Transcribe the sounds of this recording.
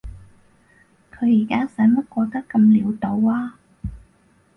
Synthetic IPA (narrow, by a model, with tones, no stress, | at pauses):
kʰɵ˨˧ɥjiː˨˩kaː˥sɐ˨˥jmɐ˥t̚kʷɔː˧k̚t̪ɐ˥kːɐ˧mliː˨˧wt̪o˨˧waː˥